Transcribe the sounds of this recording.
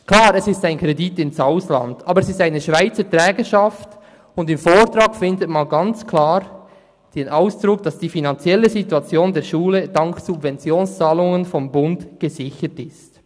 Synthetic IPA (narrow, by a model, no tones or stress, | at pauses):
kl̥aːɾɛsɪstaɪnkʁ̥editɪnsaʊsla̰ndʔaːbəɾɛsɪstaɪnəʃv̥aɪt͡sətʁɛːɡəʃaft | ʊndɪmfoːɹtɾaːkfɪndətmanɡɑnt͡skʰlaːɾ | d̥eːnʔaʊsd̥ɾʊk̚d̥ɑsd̥iːfinant͡sjɛləzituat͡sjoːndeːʃuːlədɑŋksubvɛnt͡sjoːnst͡saːlʊŋənfɔmbʊntɡ̥əzɪçətɪst